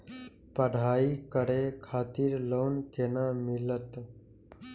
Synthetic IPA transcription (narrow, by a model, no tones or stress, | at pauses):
pəɽ̤aːiːkəɽekʰaːt̪iːɾloːnkenaːmɪlət̪